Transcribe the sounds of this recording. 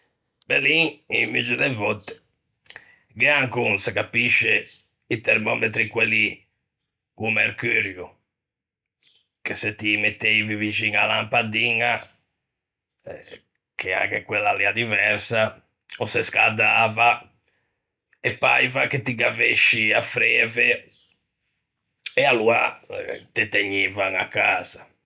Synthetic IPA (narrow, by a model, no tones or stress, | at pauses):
bɛliimːid͡ʒuðɛvɔt̪ːɛ̥ | ɡɛaŋkunsɛkapiʃːɛ | it̪ɛɾmɔmet̪ɾikweli | kumeɾkyɾju | kesɛt̪ːimet̪ːeivivit͡ʃinalampad̪iŋa | kʰɛa̰ŋkekwelːaliːad̪ivɛɾsa | ɔsɛskad̪aːva | ɛpːa̰jvaket̪ːiɡaveʃːiafɾɛːvɛ | ɛalua̰t̪ɛt̪eɲːiːvaŋakːaːz̥a